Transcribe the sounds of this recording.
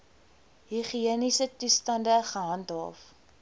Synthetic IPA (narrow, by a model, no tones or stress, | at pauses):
ɦiχiənisətustɐndəχəɦɐntɦɑ̰ːf